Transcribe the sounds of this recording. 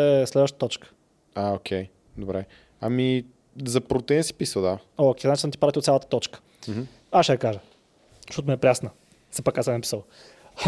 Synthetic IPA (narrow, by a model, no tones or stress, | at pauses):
ɛslɛd̪vəʃt̪ə̥t̪ɔt͡ʃkə̥ | aokʲʰɛj | d̪obɾɛ | ami | zɐpɾot̪ɛnsi̥pisəlˠd̪aoːkʲɛjznat͡ʃisnɛt̪ipɾavt̪iot̪sʲjalˠət̪ət̪ɔt͡ʃkə̥ | m̩ | aʃɛəkaʒə | ʃot̪̬miɛpɾʲasnə | sɛpakːasɛnɐpi̥səlˠ